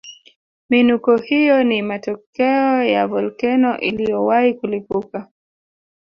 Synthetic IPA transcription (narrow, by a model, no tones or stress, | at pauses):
minukɔhijɔnimatɔkɛɔjavɔlkɛnɔʔilijɔwaikulipuka